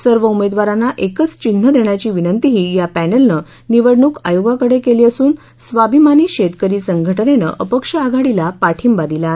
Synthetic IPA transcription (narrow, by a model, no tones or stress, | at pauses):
səɾʋəumed̪ʋaɾanːaʔekət͡st͡ɕin̤ːəd̪ʱeɳ̃jat͡ɕiːʋinənt̪iɦiːjapænelnə | niʋəɽɳuːka̰joɡakəɽekeliːəsuːn | sʋabʱimaniːɕet̪kəɾiːsəŋɡʱəʈənenə̰ʔəpəkʂəaɡʱaɽilapaʈʰimbad̪ila